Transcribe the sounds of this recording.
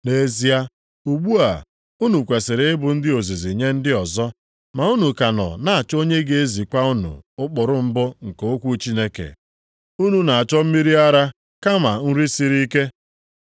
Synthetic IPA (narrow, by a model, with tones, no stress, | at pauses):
ne˨zi˦a˦ | u˨ɡ͡bu˦a̰˨ | u˦nu˨kʷe˨sɪ˨ɾɪ˦ɪ˦bʊ˨n̩˦dɪ˦o˨zi˨zi˨ɲe˦n̩˦dɪ˦ɔ˨zɔ˦ | ma˨u˦nu˨ka˨nɔ̰˨na˦a˨t͡ʃo˦ɲe˦ɡe˨e˦zi˨kʷa˦u˦nṵ˨ʊ˦k͡pʊ˨ɾʊ˦m̩˦bʊ˦ŋ̩˨keo˦kʷu˦t͡ʃi˦ne˦kḛ˨ | u˦nu˨na˨a˨t͡ʃɔ˦m̩˦mi˦ɾi˦a˦ɾa˦ | ka˦ma˨n̩˦ɾi˦si˦ɾi˦ke˦